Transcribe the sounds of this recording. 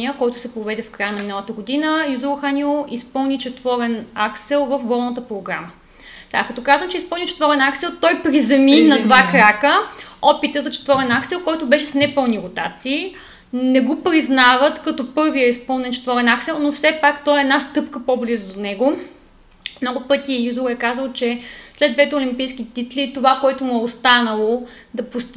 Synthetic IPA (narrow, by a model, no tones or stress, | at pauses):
iəkɔjt̪ʊ̥sɛpɾovɛd̪ɛfkɾajənɐminəlˠət̪əɡod̪inəjuzuxanʲioʔispɤlˠnit͡ʃɛt̪vɔɾɛnaksɛlˠvəfɡɔlˠnət̪əpɾoɡɾamə | t̪ɛka̰kɐt̪ɔkazvəmt͡ʃɛispɤlˠnʲit͡ʃɛ̥t̪vɔɾɛnaksɛlˠt̪ɔjpɾizɐminɐt̪vakɾakəɔpit̪əzɐt͡ʃɛ̥t̪vɔɾɛnaksɛlˠkɔjt̪ʊbɛʃɛsnɛpɤlˠniɾot̪a̰t̪siː | nɛɡopɾiznavət̪kɐt̪ɔpɤɾviɐispɤlˠnɛnt͡ʃɛ̥t̪vɔɾɛnaksɛlˠnofsɛpakt̪ɔɛɛd̪nast̪ɤpkəpɔblizəd̪onɛɡo | mnɔɡʊpɤt̪ijuzuɾɛkazəlˠt͡ʃɛslɛd̪vɛt̪ɛʊlimpijskit̪it̪lit̪ovakoɛt̪ʊmuɛost̪anəlˠo | d̪ɐpust̪